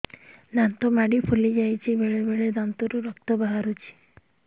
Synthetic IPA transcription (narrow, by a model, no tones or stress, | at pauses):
nant̪omaɽipʰulid͡ʒajt͡ʃʰibeɽebeɽed̪ant̪uɾuɾɔkt̪ɔbaɦaɾut͡ʃʰi̥